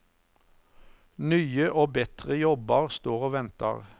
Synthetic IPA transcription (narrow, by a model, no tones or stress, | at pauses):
nyːəʔoːbɛt̪ʁəjɔbɑʁst̪oːʁoːʋɛnt̪ə̰ʁ